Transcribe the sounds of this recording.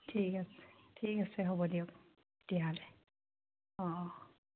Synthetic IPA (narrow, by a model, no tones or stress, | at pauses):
tʰikasɛ̥tʰikasɛɦobɔdiʊk | d̥iɦalɛ | ɔ̃